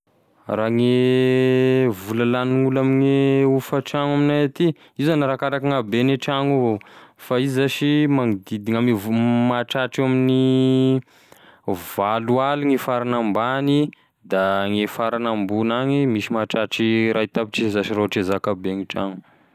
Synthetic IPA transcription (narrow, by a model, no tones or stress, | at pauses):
raŋe | vulalaniŋulamiŋeufaʈ͡ʂaŋaminajat̪i | izanaɾakaɾakaŋabenaʈ͡ʂaŋuofaizizaʃimaŋid̪id̪iŋamimaʈ͡ʂaʈ͡ʂiamini | valualuŋifaɾanambani | d̪aŋefaɾanambunaŋimiʃimaʈ͡ʂaʈ͡ʂiɾait̪abiʈ͡ʂizzaʃiraʈ͡ʂezakabeŋiʈ͡ʂa̰ŋu̥